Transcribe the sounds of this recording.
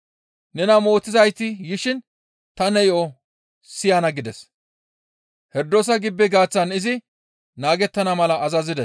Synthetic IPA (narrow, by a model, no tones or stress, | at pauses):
nɛnɐmo̞ːt̪ːɪzɐjt̪ːɪjɪʃɪn | t̪ɐnɛjo | sɪjɐnɐɡɪd̪ɛs | hɛɾd̪os̬ɐɡɪbːɛɡaːt͡sːɐnɪzɪ | naːɡɛt̪ːɐnɐmɐlɐːzɐzɪd̪ɛs